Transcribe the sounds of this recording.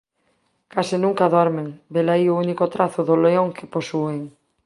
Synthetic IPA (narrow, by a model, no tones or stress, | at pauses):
kasɪnũŋkaðoɾmeŋbelaiounikot̪ɾaθʊðoleoŋkʰeposueŋ